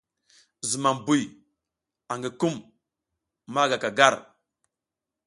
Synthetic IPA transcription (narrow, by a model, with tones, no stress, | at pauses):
zi˨ma˨mbu˨j | a˨ŋɡi˨ku˦m | ma˦ɡa˨ka˨ɡa˦˨ɾ